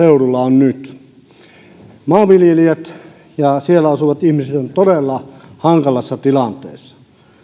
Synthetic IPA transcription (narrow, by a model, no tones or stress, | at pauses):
eurulːɑonnyt̪ | mɑːʋiljeliet̪ | jɑsielːæɑsuʋɑt̪ihmiset̪ont̪oɾelːɑhɑŋkɑlɑsːɑt̪ilɑnt̪ḛːsːɑ̥